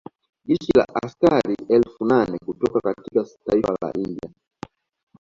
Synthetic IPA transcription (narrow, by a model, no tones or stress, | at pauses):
ʄit͡ʃila̰ʔaskaɾiɛlfunanɛkutɔkakatikataifala̰ʔindia